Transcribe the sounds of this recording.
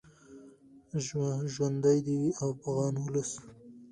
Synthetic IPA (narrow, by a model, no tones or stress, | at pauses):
ʒwand̪ajd̪iawpaɣɑnwʊləs